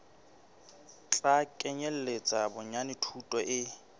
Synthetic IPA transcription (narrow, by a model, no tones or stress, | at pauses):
t͡ɬʼakʼɛɲɛl̩let͡sʼabʊɲanɪtʰutʼɔʔɪ